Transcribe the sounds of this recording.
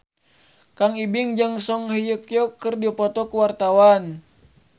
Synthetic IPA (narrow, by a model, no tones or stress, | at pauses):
kaŋibiŋd͡ʒaŋsɔŋɦəjəkjɔkːərdiapɔt̪ɔkuwart̪awan